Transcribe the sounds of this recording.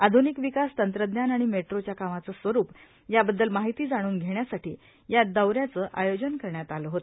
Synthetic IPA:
ad̪ʱunikʋikast̪ənt̪ɾəd̪njanaɽ̃imeʈɾot͡ɕjakamat͡səsʋəɾuːp | jabəd̪ːəlmaɦit̪iːd͡zaɽ̃uːnɡʱeɳjasaʈiː | jad̪əwɾjat͡səːʔajod͡ʑənkəɾɳjat̪aləɦot̪o

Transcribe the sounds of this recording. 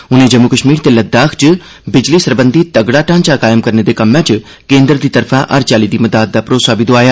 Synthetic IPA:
ʊnẽd͡ʒɐmukəʃmiːɾt̪elɐd̪̚ːaːkʰt͡ʃɪ | bɪd͡ʒlisɐɾbə̃nd̪ʱit̪ɐɡɽaʈãːnt͡ʃakaːjɪmkɐɾned̪ekɐmːãt͡ʃ | kẽːnd̪ɾd̪it̪ɐɾfʰãʔɐɾt͡ʃaːlid̪imɐd̪aːt̪̚d̪apɾoːsabɪd̪oaːjaː

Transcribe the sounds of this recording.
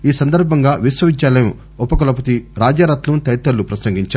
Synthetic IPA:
iːsɐnd̪ɐɾbʱɐŋɡaːʋisʋɐʋid͡ʒːaːlɐju | ɔpːɐkɐlɐp̬ɐt̪iɾaːd͡ʒaːɾɐt̪lut̪ɐjt̪ːɐlːupɾɐsɐŋɡiɲt͡ʃa

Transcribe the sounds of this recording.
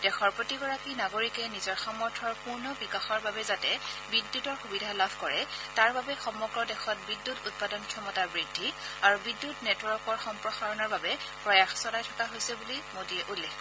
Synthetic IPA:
d̥ɛxɔɹpɹotiɡɔɹakinaɡoɹikɛnizɔɹxamɔɹtʰɔɹpuɹnɔbikaxɔɹbabɛzatɛbidːutɔɹxubidʱalabʱkɔɹɛtaɹbabɛxɔmːɔɡɹɔdɛxɔt̚bidːutut̚padɔnkʰɔmɔtaɹbɹidʱːiaɹubidːutnɛtwɔkɔɹxɔmpɹɔxaɹɔnɔɹbabɛ | pɹɔjaxsɔnajtʰɔ̥kaɦojsɛbulimodiɛʔulːɛk

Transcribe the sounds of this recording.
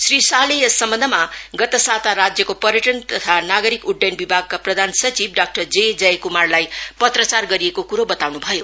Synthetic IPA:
srisalejʌsʌmbʌ̃nd̪ʱʌmaɡʌt̪ʌsat̪aɾad͡zjʌkopʌɾjʌʈʌnt̪ʌt̪ʰanaɡʌɾikuɖːenbibʱaɡ̚kaprʌd̪ʱansʌt͡sibɖak̚ʈʌrd͡zed͡zʌjkumarlajpʌt̪rʌt͡sarɡʌɾijekokuɾobʌt̪awnubʱʌjo

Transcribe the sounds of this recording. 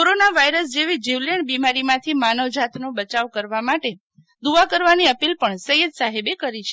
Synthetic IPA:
oɾonaʋajɾəsd͡ʒeʋid͡ʒiʋleɳɖbimaɾimãt̪ʰimanoʋd͡ʒat̪nobət͡ʃaʋkəɾʋamaʈe | d̪uʋakəɾʋaniəpilpəɳsəjəd̪saɦebekəɾit͡ʃʰe

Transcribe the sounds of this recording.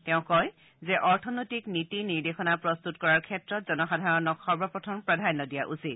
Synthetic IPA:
tɛʊ̃kɔj | zɛʔɔɹtʰɔnojtiknitiniɹdexɔnapɹɔst̪utkɔɹaɹkʰɛtɹɔtzɔnɔxadʱaɹɔnɔkxɔɹbʱɔpɔtʰɔmpɹadʱanːɔdijaʔusit̚

